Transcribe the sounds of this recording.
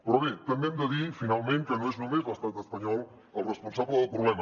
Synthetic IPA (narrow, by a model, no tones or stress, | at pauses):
pɾoβet̪emẽnd̪eðifinalmẽnt̪enõeznõmezβast̪ant̪espaɲɔl | alrespõnsaβleðopɾoβlɛmɐ